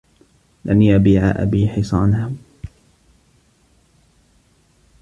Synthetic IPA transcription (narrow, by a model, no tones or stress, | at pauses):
lʔanjabiːʕa̰ʔa̰biːħɪsˤɑːnha